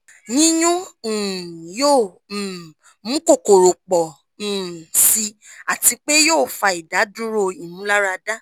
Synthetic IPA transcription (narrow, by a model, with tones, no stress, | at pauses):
nĩ˦jũ˦˨ | jo˦˨ | mũ˨˦ko˦˨ko˨ɾo˨k͡pɔ̃˨ | si˧a˨ti˧k͡pe˦joː˦˨fa˧i˨da˨˦du˦ɾo˧i˨nũ˨˦la˦ɾa˧da˦